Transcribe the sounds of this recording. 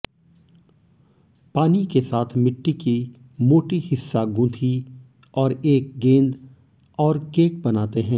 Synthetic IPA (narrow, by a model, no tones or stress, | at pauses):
paːnikesaːt̪ʰmɪʈːiki | moːʈihɪsːaɡũːt̪ʰi | ɔːɾeːk̚ɡẽːnd̪ | ɔːɾkeːk̚bɐnaːt̪eɦɛ̃ː